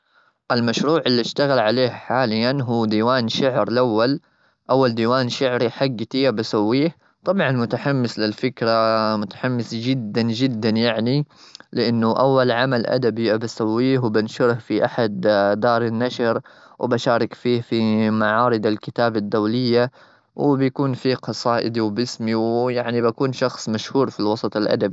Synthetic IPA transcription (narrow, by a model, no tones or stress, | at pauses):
ʔɪlmaʃɾuːʕɪlːiɪʃt̪aɣalʕaleːhħaːlɪjːanɦuːd̪iːwaːnʃʊʕɾlʔawːal | ʔawːald̪iːwaːnʃʊʕɾiħaɡːt̪iːabasawːiːh | t̪ˤɑbʕɑnmʊt̪aħamːɪslɪlfɪkɾamʊt̪ḁħamːɪsd͡ʒɪd̪ːand͡ʒɪd̪ːanjaʕnilɪʔɪnːʊʔawːalʕamalʔa̰d̪abiʔabasawːiːhwbɪnʃʊɾhfiʔaħad̪d̪ɑːɾˤɪnːaʃɾ | wbaʃaːɾˤɑkfiːhfimaʕɑːɾɨd̪alkɪt̪aːbad̪ːawlɪjːa | wɪbjakuːnfiːqɑsˤɑːʔɪd̪iwbɪsmiwjaʕnibakuːnʃɑxsˤmaʃhuːɾfilwɑsˤɑt̪ˤɪlʔa̰d̪abi